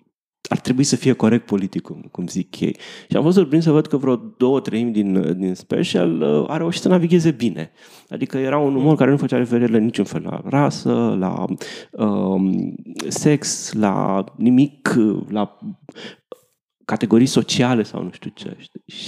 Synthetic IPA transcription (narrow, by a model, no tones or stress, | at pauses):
a̰rt̪ɾebuisəfije̞ko̞ɾek̚t̪̚po̞lit̪ikːukumzikjḛjʃia̰mfot̪surp̬ɾinsəvəd̪kəvɾod̪o̞wət̪ɾəimʲd̪ind̪inspḛʃa̰ləa̰ɾe̞uʃit̪sənaviɡʲe̞ze̞bine̞̰ | a̰d̪ikəje̞ɾaunumərkaɾe̞nufət͡ʃaɾefeɾiɾilenit͡ʃunfe̞la̰rasəla̰ə | se̞ksla̰nimikla | kat̪e̞ɡo̞ɾijso̞t͡ʃiale̞sa̰wnuʃt̪ut͡ʃḛʃt̪iʃ